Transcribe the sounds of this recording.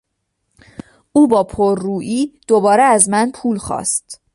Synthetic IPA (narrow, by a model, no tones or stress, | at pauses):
uːbɒːpʰoɾːuːʔiːd̪̥obɒːɾeæzmænpʰuːlxɒ̰ːst̪